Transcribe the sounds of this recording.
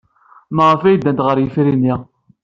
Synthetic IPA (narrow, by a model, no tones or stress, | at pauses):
məʁəfæjd̪ːænt̪ʁəɾjəfɾini